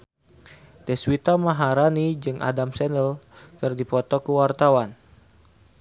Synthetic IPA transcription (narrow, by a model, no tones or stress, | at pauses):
t̪ɛswit̪amaɦaɾanid͡ʒɨŋʔa̰damsɛnəlt̪ɨrdipɔt̪ɔkuwart̪awan